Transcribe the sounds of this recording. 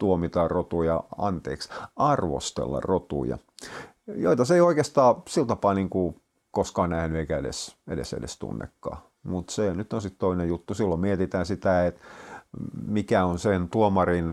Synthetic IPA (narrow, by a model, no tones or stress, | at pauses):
t̪uomit̪ɑːrrot̪ujɑ̰ɑ̰nt̪ḛːksɑrʋo̰st̪ḛlːɑ̰rot̪ṵjɑ̰ | jo̰it̪ɑseioikest̪ɑːsilt̪ɑpɑːniːŋku | koskɑːnnæhnyeikæedḛsḛdḛsḛdḛst̪ṵnːḛkːɑ̰ː | mut̪senyt̪onsit̪t̪oinejut̪ːusilːommiet̪it̪æːnsit̪æet̪ | mikæonsent̪uomɑrin